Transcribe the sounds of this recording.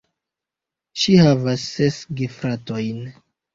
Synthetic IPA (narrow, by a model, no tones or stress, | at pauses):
ʃihavasːesɡifɾato̞jn